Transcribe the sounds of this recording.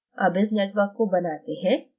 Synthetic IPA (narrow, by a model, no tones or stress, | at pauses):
ɐbɪs̬neːʈʋəɾkːobɐnaːt̪eɦɛ̃ː